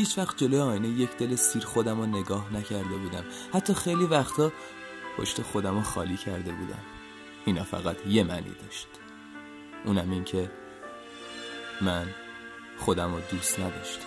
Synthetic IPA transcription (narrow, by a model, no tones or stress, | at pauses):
hiːt͡ʃʰvæxt̪̚d͡ʒe̞lojeɒːjinejecʰd̪̥e̞lesiːɾxo̞d̪æmone̞ɡɒːhnæcʰæɾd̪e̞buːd̪æm | hæt̪ʰːɒːxe̞jliːvæxt̪ʰɒː | pʰo̰ʃt̪e̞xo̞d̪æmoxɒ̰ːliːcʰæɾd̪e̞bṵːd̪æ̰m | inɒːfæ̰ɣæt̪ʰje̞mænʔḭːd̪ɒːʃt̪ | ʔuːnæmincʰe̞ | mæn | χo̞d̪æmod̪uːst̪næd̪ɒːʃt̪